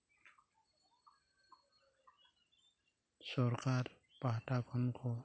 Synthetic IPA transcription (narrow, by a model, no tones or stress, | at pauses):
sɔɾkaɾ | paɦʈakʰɔnkʰɔ